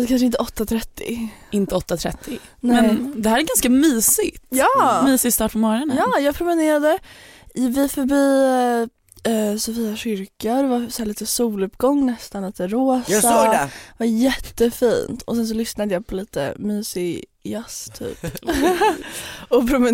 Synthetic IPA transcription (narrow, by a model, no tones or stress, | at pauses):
d̪ɛkanʂəɪnt̪əɔt̪ːat̪ʰɾɛt̪ʰːɪ̰ɪnt̪əɔt̪ːat̪ʰɾɛ̰t̪ʰːɪ | nɛmɛnd̪ɛhæːɾæɡanskamyːsɪt̪jɑːmyːsɪst̪ɑːʈpʰɔmɔɾɔnəjɑːjɑːɡpʰɾʊmɪneːɾad̪ə | vɪfœɾbiː | ɛsɔfiːaɕʏɾkad̪ɛvasɔhæːɭiːt̪əsuːlɵpɡɔŋːnɛst̪anliːt̪əɾoːsavajɛt̪ːəfiːnt̪ʰɔsɛns̬ɔlʏsnad̪əjɑːpʰɔliːt̪ə̰myːsɪ | jast̪ʰy̰ːp | ɔpʰɾʊm